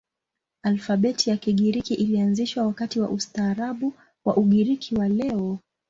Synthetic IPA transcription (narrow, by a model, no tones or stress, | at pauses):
alfaɓɛtʰijakiɠiɾikiʔilianziʃwawakatiwa̰ʔustaːɾaɓu | waʔuɠiɾikʰiwalɛɔ